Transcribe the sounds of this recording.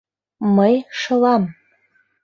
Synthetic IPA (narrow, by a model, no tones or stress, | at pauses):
məjʃɤ̆lɑm